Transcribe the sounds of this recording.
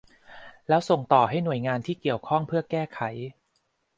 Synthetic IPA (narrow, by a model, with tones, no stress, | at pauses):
lɛː˦˥wso˨˩ŋt̪ɔː˨˩ɦa˥˩jnu˨˩əjŋaː˧nt̪ʰiː˥˩ki˨˩əwkʰɔ˥˩ŋpʰɯ˥˩ɐkɛː˥˩kʰa˩˦j